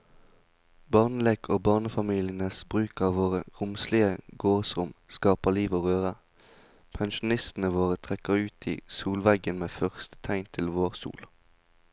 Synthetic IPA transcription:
bɑːʁnəleːkʰoːbɑːʁnəfɑmiːlɪənəsbʁʉːkɑːʋoːʁəʁʊmslɪəɡoːʁsʁʊmskɑːpəliːʋoːʁøːʁə | pʰɛnʃʊnɪst̪n̩əʋoːʁət̪ʰʁɛkəʁʉːt̪ʰiːsuːlʋɛɡənmeːfœʁst̪ə̥t̪ʰæɪnt̪ʰɪlʋoːʁsṵːl

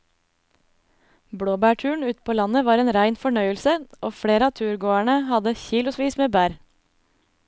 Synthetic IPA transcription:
bɽoːbæːʈʰʉːɳ̩ʉːt̪pʰoːlɑnəʋɑːɾeːnɾæɪnfɔɳœʏəlsəʔoːfɽeːɾəɑːt̪ʰʉːɾɡoːæɳəhɑd̪əçiːlʊsʋiːsmeːbæːɾ

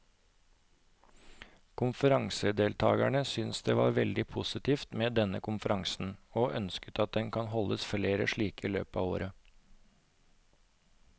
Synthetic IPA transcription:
kʰʊnfəɾɑŋsəd̪eːlt̪ʰɑ̰ːɡæ̰ɳəsʏnsd̪eːʋɑ̰ːɾʋɛld̪ɪpʰʊsɪt̪iːft̪meːd̪ɛnəkʰʊnfəɾɑŋsn̩oːʔœnskət̪ɑt̪̚d̪ɛnkʰɑnɦɔlːəsfleːɾə̰ʂɭiːkiːlø̰ːpɑ̰ːʋo̰ːɾə

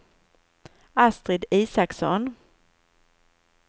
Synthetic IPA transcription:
ast̪ɾɪd̪iːsaksɔ̰n

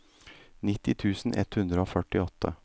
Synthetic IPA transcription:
nɪt̪ːɪt̪ʰʉːsn̩ʔɛ̰t̪hʉnd̪ɾəoːfœʈɪɔt̪ʰːə̰

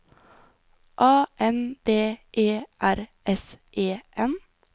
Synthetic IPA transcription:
ʔɑːʔɛnd̪̥eːʔeːʔæɾʔɛsʔeːʔɛn

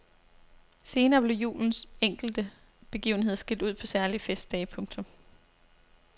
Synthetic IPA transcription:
se̝ːnɐːb̥le̝jṵːln̩seŋ̰ɡ̥l̩d̥ə | b̥e̝ɡ̥ḭːʊn̩he̝ð̰ˠɐsɡ̥e̝ld̥uð̞̰ˠpʰɒ̽sæɐliəfesd̥ɛːɪpʰɔ̽ŋt͡sʰɔ̽m

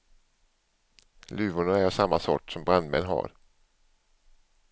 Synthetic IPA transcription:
lʉ̟ːvʊɳaæɾsamːasɔ̰ʈːsɔmbɾand̪mɛ̰nɦa̰ɾ

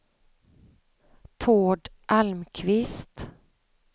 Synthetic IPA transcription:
t̪ʰoːɖ | ʔalmkʰvɪst̪

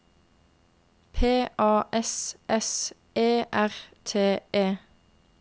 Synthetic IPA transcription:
pʰeːʔɑːʔɛsʔɛs | eːʔæʁt̪ʰeːeː

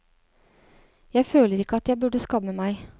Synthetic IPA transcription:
jæɪføːləɾɪkːəɑt̪jæɪbʉɖəskɑmːəmæɪ

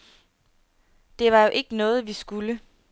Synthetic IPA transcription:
d̥e̝ʋɑ̈jo̝ʔe̝ɡ̥ənɔ̽ːð̞̩ˠʋisɡ̥ulə

